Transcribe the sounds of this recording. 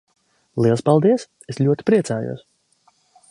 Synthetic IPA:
lˠiɛlˠspalˠd̪iɛs | eslʲuɔt̪i̥pɾiɛt̪saːjṵɔs

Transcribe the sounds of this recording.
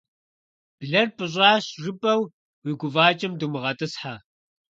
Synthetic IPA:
b̥ɮɐrpʼɨɕ̬ʼɑːɕʐɨpʼɐw | wiɡʷʊvaːt͡ʃʼɪmdumɨʁɐtʼɨsħa

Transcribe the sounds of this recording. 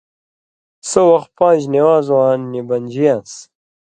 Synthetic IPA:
sowɐxt̪̚pãːʑniwaːzwãːnːibɐnʲd͡ʑijãs

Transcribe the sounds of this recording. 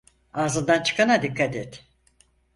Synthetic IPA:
aːzɯnd̪ant͡ʃʰɯ̥kʰanad̪ikʰːat̪et̪

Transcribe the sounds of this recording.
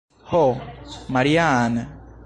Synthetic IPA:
homaɾijana

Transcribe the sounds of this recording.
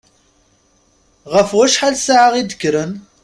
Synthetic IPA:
ʁəfwæʃħalsaʕaʁid̪ə̥kːɾən

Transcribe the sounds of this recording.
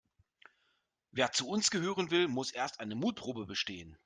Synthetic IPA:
veːɐt͡suʊnsɡ̥əɦøːʁ̞ənvɪlmʊsʔeːɐstʔaɪnəmuːt̚pʁ̥oːbəbəʃteːən

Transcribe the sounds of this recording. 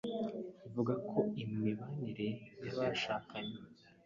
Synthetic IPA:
ivuɡakʰo̞imiβaniɾe̞niβaʃaːkaɲe

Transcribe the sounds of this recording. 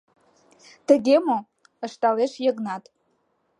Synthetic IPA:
d̥ʰaɡʲemo | əʂtʼaleʂjeɡnatʼ

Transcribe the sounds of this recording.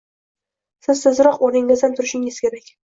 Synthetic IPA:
sɪzsɪzɾɒqonɪŋlɪzd̪ant̪ʰʊɾɪʃɪŋɪz̥kʲe̞ɾakʲ

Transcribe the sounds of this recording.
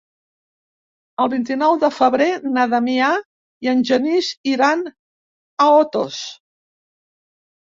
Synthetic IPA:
əlˠβint̪inɔwðəfəβɾenaðamia | iənʲʒəniziɾan | əot̪o̰s

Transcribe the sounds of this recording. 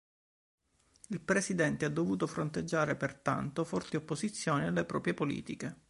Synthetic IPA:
ilpɾesid̪ɛnt̪ead̪ːovuːt̪ofɾont̪ed͡ʒːaːɾepert̪a̰nt̪ofɔrt̪iopːozit̪sːjoːnialːepɾɔ̰ːpɾjepolḭːt̪ike

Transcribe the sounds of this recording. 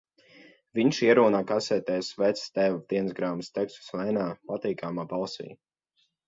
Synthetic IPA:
viɲʃiɛɾuːnaːkasɛt̪ɛsvɛt̪sst̪ɛvad̪iɛnzɡɾaːmst̪ɛkst̪u̥slɛjnaːpat̪iːkamaːbalˠsḭː

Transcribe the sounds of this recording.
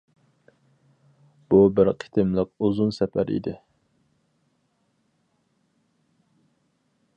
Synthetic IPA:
b̥ubɪɾqʰi̥t̪ʰɪmlˠəq̚ozunsɛpæɾʔḭd̪ɪ

